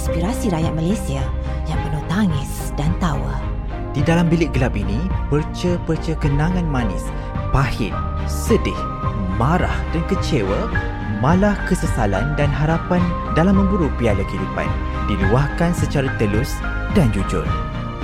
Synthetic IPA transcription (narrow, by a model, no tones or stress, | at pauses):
spiɾasiɾajat̪̚malajsia | jaŋpərnot̪aŋɪs | d̥ant̪awa̰ | d̥idalambilɪʔ̚ɡəlapinĩpərt͡ʃəpərt͡ʃəkənãŋãnmãnɪ̰s | pahɪ̰n | sədɪh | maɾa̰hdankət͡ʃewə | mãlahkəsəsala̰ndanɦaɾapan | dalamːə̃ŋbuɾupialakidupa̰n | diluahkansət͡ʃaɾat̪əlʊs | dand͡ʒud͡ʒʊ̰r